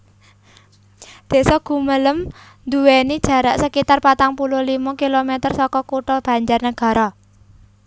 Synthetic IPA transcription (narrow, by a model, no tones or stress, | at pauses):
d̪̥e̤ʔsɔɡ̥ṳmələm | nd̪uwenid̥ʒ̥ä̤ɾaʔsəkit̪arpat̪aŋpuluhlimɔkilomet̪ərsɔkɔkuʈɔlb̥a̤ɲd͡ʒarnəɡ̥a̤ɾɔ